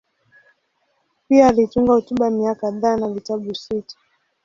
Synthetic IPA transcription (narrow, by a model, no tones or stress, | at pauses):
piaːlituŋɡahɔtuɓamiakaðaːnavitaɓusitḁ